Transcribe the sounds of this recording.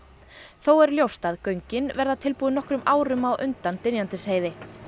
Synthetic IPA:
θowɛɾljowst̪aðkœɥɲcɪnvɛɾðat̪ʰɪlpuːðnɔhkɾʏmaːwɾʏmawʔʏnt̪ant̪ɪnjant̪ɪsheːjðɪ

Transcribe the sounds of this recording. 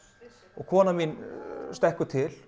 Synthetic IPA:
ɔɣkʰɔːnaminst̪ɛhkʏt̪ʰɪl

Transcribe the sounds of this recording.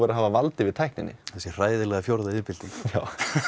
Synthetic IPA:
ɛɾaɦaːvavalt̪ɪvɪðt̪ʰajhknɪnːɪ̰θɛsːɪr̥aːjðɪlɛɣafjoɾðaɪðpɪlt̪iŋkjaːw

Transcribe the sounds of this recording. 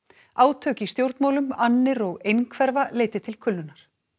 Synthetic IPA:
aːwt̪ʰœːcɪist̪jowɾt̪maːwlʏmanːɪɾɔɣejnkʰvɛɾvaleːjt̪ɪt̪ʰɪlkʰʏlːʏnaɾ̥

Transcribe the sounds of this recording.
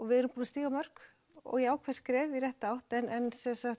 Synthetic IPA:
ɔɣvɪðɛɾʏmpuːnast̪iːɣamœr̥k | ɔ̰ɣɛaːwkʰvɛ̥skɾɛːvirjɛht̪aawht̪ɛnʔɛnsɛnsaxt̪

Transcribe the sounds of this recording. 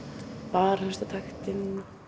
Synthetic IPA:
paːɾast̪at̪ʰajxt̪ɪn

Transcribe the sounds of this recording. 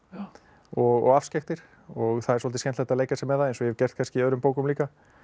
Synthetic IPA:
ɔɣɔ̰ɣafscaxt̪ɪɾ̥ | ɔɣθaðɛɾsɔlt̪ɪscɛnt̪aɛht̪aðleːjkasɛmɛðaðejnsɔjɛɛvcɛr̥t̪kanscɪiœðɾʏmpoːwkʏmliːka

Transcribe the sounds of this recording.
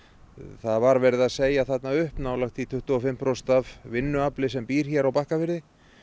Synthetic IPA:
θaðvaɾvɛɾɪðaðseːjaθɛt̪naʏhpnaːwlaxt̪it̪ʰʏht̪ʏɔfɪm̥pɾowst̪avvɪnːʏaplɪsɛmpiːɾ̥çɛɾawpahkafɪɾðɪ

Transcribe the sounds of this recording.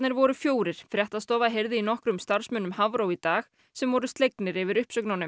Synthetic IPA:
nɪɾvɔɾʏfjoːwɾɪɾ̥fɾjɛht̪aðst̪ɔːvaðɦejɾðɪinɔhkɾʏmst̪aɾ̥smœnːʏmhavɾowit̪aːx | sɛmvɔɾʏst̪lejknɪɾɪvɪɾʏhpsœknawnʏ

